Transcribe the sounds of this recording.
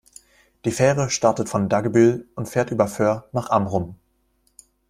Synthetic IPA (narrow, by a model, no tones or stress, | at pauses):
d̥iːfɛːʁəʃtaɐtətfɔndaɡəbɪlʊntfeːɐtʔyːbɐfœːɐnaːχʔamʁʊm